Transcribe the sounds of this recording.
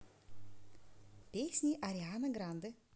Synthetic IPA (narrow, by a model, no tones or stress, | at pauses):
pʲesʲnʲiʔɐɾʲɪanɐɡɾand̪ɨ